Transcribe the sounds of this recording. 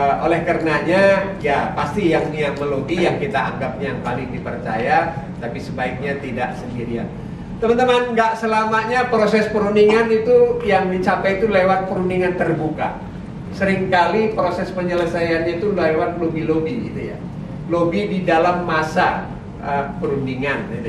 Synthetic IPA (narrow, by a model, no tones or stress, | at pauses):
olɛhkaɾənaɲajapast̪ijaŋniaməloɡijaŋkit̪aa̰ŋɡap̚ɲajaŋpalɪŋdipərt͡ʃa̰ja | t̪apisəbaɪk̚ɲat̪ida̰ʔsəndiɾia̰n | t̪əmənt̪əmanŋɡaʔsəlamaʔɲapɾosɛspəɾuniŋanit̪ujaŋdit͡ʃapajt̪ulewat̪̚pəɾuniŋant̪ərbuka̰ | səɾɪŋkalipɾosɛspəɲələsajanɲait̪ulewat̪̚lobilobiɡḭt̪ṵja̰ | lobididalamːasa | ʔəpəɾundiŋan